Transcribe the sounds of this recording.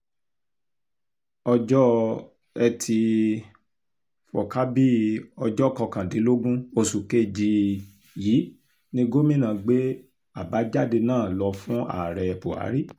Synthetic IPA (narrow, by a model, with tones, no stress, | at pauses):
ɔ˧d͡ʒɔ˦ | ɛ˧tʰi˧ | fɔ̰˨ka˦bi˦ɔ˧d͡ʒɔ˦˨kɔ˧kã˨dĩ˨˦lo˦ɡũ˦o˧su˨ke˦˨d͡ʒi˧ | jiː˨˦ | nĩ˧˦ɡo˦mĩ˦˨nã˨ɡ͡be˦ | a˦˨ba˨˦d͡ʒa˦˨de˧nãː˦˨lɔ˧fũ˦a̰˦˨ɾɛ˨ɛ˧po˨a̰˨˦ɾi˦˨